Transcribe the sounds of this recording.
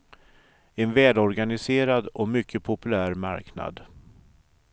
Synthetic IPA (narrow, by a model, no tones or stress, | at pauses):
ɛnvɛːlɔɾɡanɪseːɾad̪ɔmʏkːəpʰʊpɵlæːɾma̰ɾkna̰d̪